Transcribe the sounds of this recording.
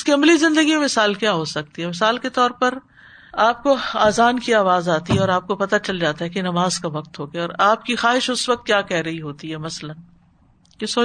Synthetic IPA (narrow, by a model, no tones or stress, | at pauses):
ʊskiɐmblizɪ̃nd̪əɡimẽmɪsaːlkjaɦosɐk̚t̪iɦɛmɪsaːlket̪ɔːɾpɐɾ | aːp̚koaːzaːnkiaːʋaːzaːt̪iɦɛɔːɾaːp̚kopɐt̪at͡ʃɐld͡ʒaːt̪aɦɛkenɐmaːzkaʋɐk̚t̪ɦoːɡeaɔːɾaːp̚kixaːɦɪʃʊsʋɐk̚t̪̚kjaːkɛɦɾɐɦiɦoːt̪iɦɛmɐslən | kesoː